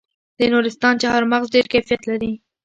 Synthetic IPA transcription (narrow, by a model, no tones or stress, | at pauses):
d̪̥ənuɾɪst̪ɑnt͡ʃahɑɾmaɣzɖeɾkafijat̪laɾi